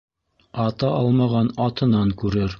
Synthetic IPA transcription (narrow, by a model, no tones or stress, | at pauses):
ɑt̪ɑʔɑlˠmɑʁɑnɑt̪ɤ̆nɑŋkʉɾɘɾ